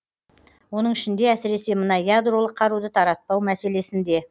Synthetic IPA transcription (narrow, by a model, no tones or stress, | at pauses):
wo̞nəɴɪʃɪnd̪e̞æsɪɾe̞se̞mənɑjad̪ro̞lˠəqʰːɑɾud̪ət̪ʰɑɾɑt̪̚pɑwmæse̞le̞sɪnd̪e̞